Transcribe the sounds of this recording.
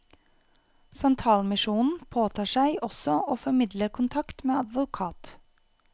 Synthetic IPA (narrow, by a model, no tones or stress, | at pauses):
sɑnt̪ʰɑːlmɪʃuːnn̩pʰoːt̪ʰɑːʃæɪʔɔsɔʔoːfɔmɪd̪ləkʰʊnt̪ʰɑkt̪meːɑd̪ʋʊkʰɑːt̪